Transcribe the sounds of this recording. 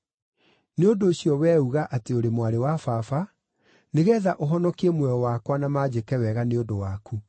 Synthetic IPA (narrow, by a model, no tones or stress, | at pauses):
neondoːɕjɔwɛuɣaʔateoɾemwaɾewafafa | neɣɛːðaʔoɦɔnɔkiɛmwɛɔwakwanamaːd͡ʑekɛwɛɣaneondowaku